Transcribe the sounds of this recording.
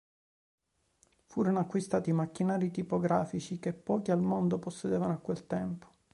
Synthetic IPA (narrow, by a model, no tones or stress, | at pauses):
fuːɾonoakːwist̪aːt̪imakːinaːɾit̪ipoɡɾaːfit͡ʃikepːɔːkialmond̪oposːed̪eːvanoakːwelt̪ɛmpo̥